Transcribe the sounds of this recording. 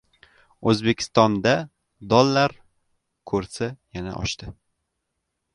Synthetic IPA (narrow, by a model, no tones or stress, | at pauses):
ɵzbe̞kʲʰɪ̥st̪ɒnd̪a | d̪ɒlːaɾ | kʰɵɾsajana̰ʔɒ̰ʃt̪ɪ